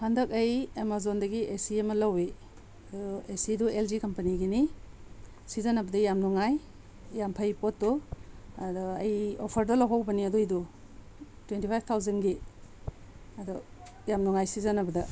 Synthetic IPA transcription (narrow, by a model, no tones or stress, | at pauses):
handɐkɐjemazondɐɡiʔesiɐmɐlɐwe | ɐdɔesiduelzikɐmpɐniɡini | sizanɐbɐdɐjamnuŋaj | jampʰajpot̚ːɔɐdɔɐjopʰɐɾdɐlɐwɦawbɐniɐdojdu | twentipʰajp̚ʰtʰawzɐnɡi | ɐdɔ | jamnuŋajsizanɐbɐdɐ